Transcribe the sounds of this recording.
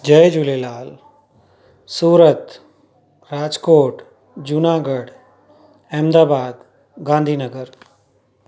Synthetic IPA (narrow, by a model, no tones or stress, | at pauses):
d͡ʒəjd͡ʒulelaːl | suːɾət̪ | ɾaːd͡ʒkoːʈ | d͡ʒʊnaːɡəɽ | ɛ̃ːmd̪aːbaːd̪ | ɡãːnd̪ʱiːnəɡəɾ